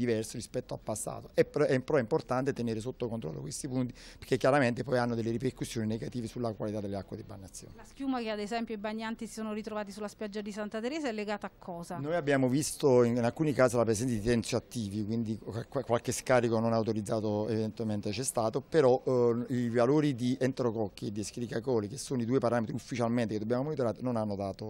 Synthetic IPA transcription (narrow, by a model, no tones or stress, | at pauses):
d̪ivɛrsoɾispɛt̪ːoa̰lpːasːa̰ːt̪oʔɛpɛimpɾɔɛimport̪ant̪et̪eneːɾesot̪ːokont̪ɾɔ̰lːo̰kwest̪ipunt̪iperkːekːjaɾament̪epɔjanːod̪elːeɾiperkusːjoːnineɡat̪iːvesulakwa̰lit̪ad̪elːeakːwad̪iba̰ɲːat̪sːjo̰ːnlaskjuːmakead̪ezɛmpjoibaɲːant̪isisoːnoɾit̪ɾovaːt̪isulːaspjad͡ʒːad̪isant̪at̪eɾeːzaɛlːeɡaːt̪aːkʰːɔːzanojabːjaːmovist̪oininalkuːnikaːsilapɾesɛnt̪ad̪it̪ɛnt̪soat̪ːiːvikwind̪ikakːwalkeskaːɾikononaawt̪oɾid̪zːaːt̪oevid̪ent̪ement̪et͡ʃɛst̪aːt̪opeɾɔivaloːɾid̪ient̪ɾokɔkːied̪ːieskɾikakɔːlikesːoːnoid̪uːepaɾaːmet̪ɾiufːit͡ʃalment̪eked̪objaːmomonit̪oɾaːɾenonanːod̪aːt̪o